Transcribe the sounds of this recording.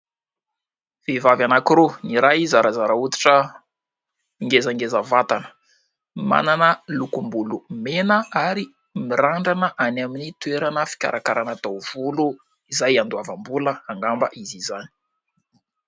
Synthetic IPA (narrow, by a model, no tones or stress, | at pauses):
v̥evavanakiɾoniɾajzaɾazaɾaut̪i̥ʈ͡ʂə | iŋɡezaŋɡezəvat̪anə̥ | ma̰nanəlukumbulumenəaɾi | miraɳɖ͡ʐanəʔanaminit̪weɾanəfi̥kʲa̰ɾʔakaɾanat̪owv̥ulu | izajand̪uavambuləaŋɡambəʔizizani̥